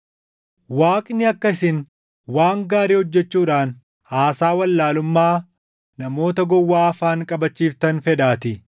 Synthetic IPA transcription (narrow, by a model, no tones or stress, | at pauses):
waːkʼnɪɐkːɐɪsɪn | waːŋɡaːɾiːhɔd͡ʒːɛt͡ʃːuːᶑaːn | haːsaːwɐlːaːlʊmːaː | nɐmo̞ːt̪ɐɡɔwːaːɐfaːŋkʼɐbɐt͡ʃːiːft̪ɐnfɛd̪aːt̪ɪ